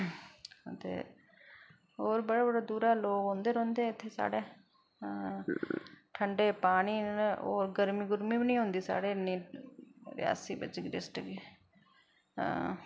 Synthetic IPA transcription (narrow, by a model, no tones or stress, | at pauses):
t̪ḛː | oːɾbəɽaːbəɽaːd̪uːɾaːloːɡɦõːnd̪eːɾõːnd̪eːɪt̪ʰːeːsa̰ːɽeː | ʈʰəɳɖeːpaːniːo̰ːɾɡəɾmiːɡʊɾmĩːbinĩːɦʊ̃nd̪iːsa̰ːɽeːnĩː | ɾɪ̰ja̰ːsiːbɪ̰t͡ʃɡɾɪsʈɡiː